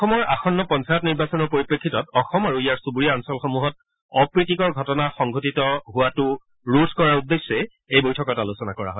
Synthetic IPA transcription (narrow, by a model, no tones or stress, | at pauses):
ɔmɔɹaxɔnːɔpɔnsajɔtniɹbasɔnɔɹpoɹipɹekʰːitɔtɔxɔmaɹuijaɹsubuɹiaɔnsɔlxomuɦɔt̚ | ɔpɹitikɔɹɡʱɔtɔnaxɔŋɡʱotitɔɦʊatʊ | ɹudʰʱkɔɹaɹudːesːɛ | ejbojtʰɔkɔtalusɔnakɔɹa̰ɦɔj